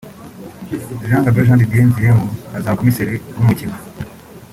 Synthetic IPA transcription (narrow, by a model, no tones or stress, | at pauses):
ʒaːŋɡaboʒaːndidieɲziɾemuazakomiseɾenumucima